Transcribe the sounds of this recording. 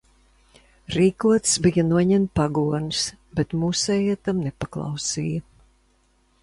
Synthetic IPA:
ɾiːkuɔt̪sbijɐnuɔɲɛnt̪paɡuɔns | bet̪muːsɛjɛt̪amnɛpaklˠɑ̰wsiːjɐ

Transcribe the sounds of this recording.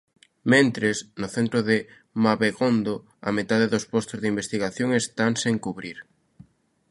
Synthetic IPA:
mẽnt̪ɾesnʊθent̪ɾʊðɪ | maβeɣond̪o | a̰met̪aðeðospost̪ozðimbest̪iɣaθjõŋest̪aŋseŋkuβɾiɾ

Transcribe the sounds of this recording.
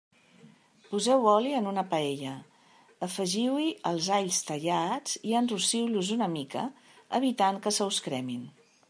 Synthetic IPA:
puzɛwɔliənunəpəɛʎə | əfəʒiwiʔəlˠzaʎst̪əʎad͡ziənrusiwluzunəmikə̰əβ̞it̪aŋkəsəwskɾɛmin

